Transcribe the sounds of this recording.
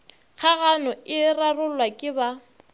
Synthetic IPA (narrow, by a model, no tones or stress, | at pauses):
ɣʰaɣanʊɪrarʊlwakʼɪba